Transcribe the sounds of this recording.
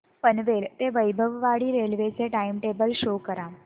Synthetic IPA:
pənʋelt̪eʋəjbʱəʋʋaɽiːɾelʋet͡seʈaimʈebəlɕokəɾa

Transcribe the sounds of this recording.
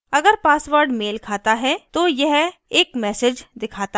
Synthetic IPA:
ɐɡəɾpaːsʋəɾɖmeːlkʰaːt̪aɦɛt̪ojɛɦeːkmɛːsɪd͡ʒd̪ɪkʰaːt̪a

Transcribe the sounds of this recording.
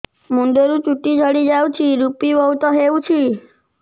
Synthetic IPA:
muɳɖeɾut͡ʃuʈːid͡ʒʱəɽid͡ʒawt͡ʃʰiɾupibɔɦwt̪ɔɦeut͡ʃʰi

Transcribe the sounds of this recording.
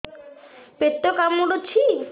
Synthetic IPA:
pet̪ːokamːuɖot͡ɕʰi

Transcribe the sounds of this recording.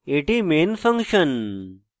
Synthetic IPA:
eʈimeːnfʰɐ̃ŋkʂən

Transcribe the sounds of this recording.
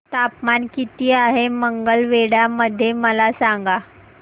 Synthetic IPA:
t̪apmankit̪iːaɦeməŋɡəlʋeɽjaməd̪ʱːjeməlasaŋɡa

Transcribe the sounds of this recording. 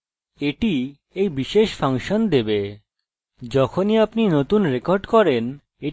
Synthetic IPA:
eʈi | ejbiʃeʃfaŋʃond̪ebe | d͡ʑɔkʰoniapninot̪unɾekoɾɖkɔɾen | e

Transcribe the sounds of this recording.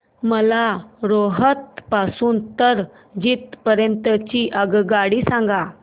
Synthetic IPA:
məlaɾoɦət̪̚pasuːnt̪əɾ | d͡ʑiːt̪̚pəɾjənt̪ət͡ɕiʔəɡɡaɽiːsãŋɡa

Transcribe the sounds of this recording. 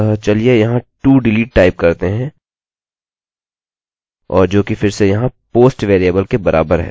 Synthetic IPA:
t͡ʃɐliejɐɦãʈuːɖɪliːʈ̚ʈaːɪp̚kɐɾt̪eɦɛ̃ː | ɔːɾd͡ʒoːkifɪɾsejɐɦãpoːsʈʋeːɾijəbəlkebɐɾʔa̰ːbəɾɦɛ̰̃

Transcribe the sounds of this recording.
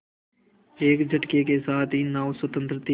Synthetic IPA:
eːkd͡ʒʱəʈkekesaːt̪ʰinaːʋswət̪ə̃nt̪ɾət̪i

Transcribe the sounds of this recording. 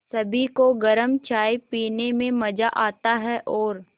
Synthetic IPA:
sɐbʱikoɡɐɾəmt͡ʃaːjpiːnemẽmɐd͡ʒaʔaːt̪aɦɛʔɔːɾ

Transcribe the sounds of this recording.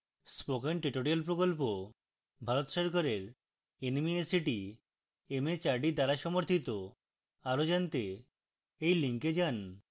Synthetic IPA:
spokenʈɾiʈoɾialpɾokolp̬o | bʱaɾot̪ʃɔɾkʰoɾeɾ | enmiesiʈi | emet͡ɕaɾɖid̪aɾaʃɔmoɾt̪ʰit̪o | aɾod͡ʑant̪e | ejliŋked͡ʑan

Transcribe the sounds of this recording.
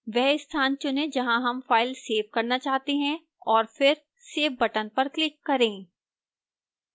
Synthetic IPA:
ʋɛɦɪst̪ʰãːnt͡ʃʊnẽd͡ʒɐɦãɦɐmfaːɪlseːʋkɐɾnat͡ʃaːɦt̪eɦɛ̃ | ɔːɾfɪɾ | seːʋbɐʈənpɐɾklɪkːɐɾẽː

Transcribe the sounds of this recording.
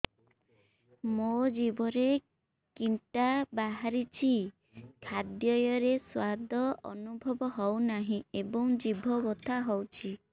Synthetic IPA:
mod͡ʒibɔɾe | kiɳʈabaɦaɾit͡ʃʰi | kʰad̪jɔjɔɾeswad̪ʱɔʔɔ̰nubʱɔbɔɦɔwnaɦĩebɔŋd͡ʒibʱɔbɔt̪ʰaɦɔwt͡ʃʰi

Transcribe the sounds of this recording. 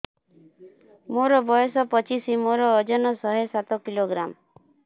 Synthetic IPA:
moɾɔbɔjɔsɔpɔt͡ʃisimoɾɔːd͡ʒɔnɔsɔɦesat̪ɔkiloɡɾam

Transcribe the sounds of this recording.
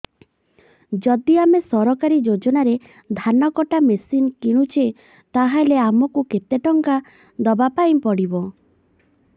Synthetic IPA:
d͡ʒɔd̪iamesɔɾɔkaɾid͡ʒod͡ʒɔnaɾe | d̪ʱanɔkɔʈamesinkiɽ̃ut͡ʃʰe | t̪aɦaleamɔkuket̪eʈɔŋka | d̪ɔbapaĩpɔɽibɔ

